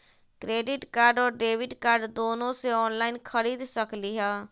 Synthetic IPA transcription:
kɾeːɖɪʈkaːɾɖɔːɾɖeːʋɪɖkaːɾɖd̪oːnõːseɔːnlaːinkʰəɾiːd̪səkliːɦɛː

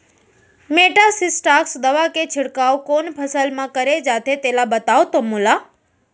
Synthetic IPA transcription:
meʈasisʈaksd̪əʋaket͡ʃʰɪɽkawkonpʰəsəlmãkəɾed͡ʒat̪et̪elabət̪aʋt̪omula

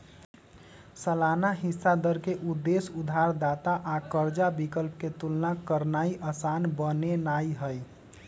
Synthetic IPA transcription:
səlanaɦɪsːad̪əɾkeʔud̪ːesud̪ʱaɾd̪aːt̪aʔakəɾd͡ʒabikəlp̚ket̪ulnakəɾnaiʔəsanbənenaiɦəj

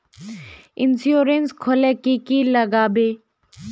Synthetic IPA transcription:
insjoɾenskʰolekikiləɡaːbe

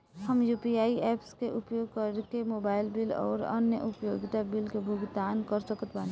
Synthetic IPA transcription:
həmjuːpiaːiɛːpskeʔʊpjoːɡ̚kəɾkemoːbaːɪlbɪlɔ̰ːɾə̰njə̰ʔʊpjoːɡɪt̪abɪlkebʱʊɡd̪aːnkəɾsəkət̪baːn

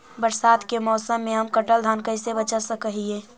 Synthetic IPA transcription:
bəɾsaːd̪kemɔːsəmːẽɦəmkəʈəld̪ʱaːnkəɪsebət͡ʃəsəkəɦieː

